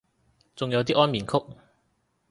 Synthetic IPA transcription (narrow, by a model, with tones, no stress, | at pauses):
t͡sʊ˨ŋjɐ˨˧wt̪iː˥ʔɔː˥nmiː˨˩nkʰʊ˥k̚